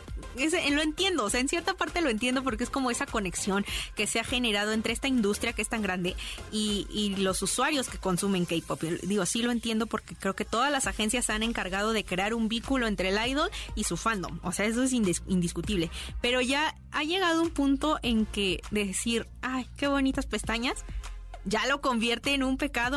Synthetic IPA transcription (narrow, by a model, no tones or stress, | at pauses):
es̬elo̞e̞nt̪je̞nd̪o̞ːseaensje̞ɾt̪apaɾt̪e̞loe̞nt̪je̞nd̪o̞p̬o̞ɾkeesko̞mo̞e̞sako̞ne̞ksjo̞ŋke̞se̞axe̞ne̞ɾað̞o̞ent̪ɾee̞st̪aind̪ust̪ɾjakeest̪aŋɡɾand̪e̞iilo̞suswaɾjo̞ske̞̥ko̞nsume̞ŋkejpopd̪iɣosilo̞e̞nt̪je̞nd̪o̞po̞ɾke̞kɾeoket̪o̞ðazlasaxe̞nsjasane̞ŋkaɾɣað̞o̞ð̞e̞kɾeaɾumbiŋkulo̞e̞nt̪ɾelajðolisufand̪o̞̰mose̞ae̞s̬oes̬inind̪iskut̪iβle̞pe̞ɾo̞ʝa | aʝe̞ɣað̞oumpunt̪o̞ʔe̞ŋke̞ðe̞siɾ | ajke̞β̞o̞nit̪aspe̞st̪aɲasʝalo̞ko̞mbje̞ɾt̪eːnumpe̞kaðo